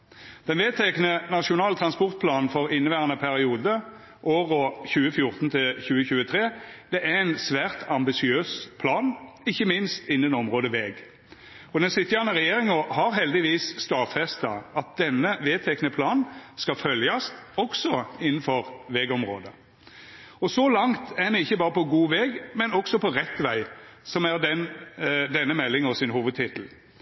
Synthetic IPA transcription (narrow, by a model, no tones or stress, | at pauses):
d̪̥ɛnʋeːt̪ʰɛknənɑʃʊnɑːlt̪ʰʁɑnspɔʁt̪̚pʰlɑːnn̩fɔʁɪnːəʋæːʁɑnəpʰæʁɪuːd̪ə | ʔoːʁɔçʉːəfjʊʁt̪nt̪ʰɪlçʉːəçʉːət̪ʰʁeːd̪̥ɛʔææɪnsʋæːʁt̪ɑmbɪsɪøːspʰlɑːnɪçːəmɪnst̪ɪnːənɔmʁoːd̪əʋeːɡ | ɔd̪ɛnsɪt̪ːəjæʁnəʁɛjeːʁɪŋɔhɑʁɦɛld̪ɪʋiːsst̪ɑːfɛst̪ɑɑt̪̚d̪̥ɛnːəʋeːt̪ʰɛknəpʰlɑːnnskɑfœljɑst̪ɔɡsɔɪnːn̩fɔʁʋeːɡɔmʁo̰ːd̪ə | ɔsɔlɑŋt̪ænɛɪçːəbɑːʁəpɔɡuːʋɛːɡmɛnɔɡsɔpʰɔʁɛt̪ːʋæɪsɔmæʁd̪ɛnd̪ɛnːəmɛlːɪŋɔsɪnhuːʋəd̪̚t̪ʰɪt̪l̩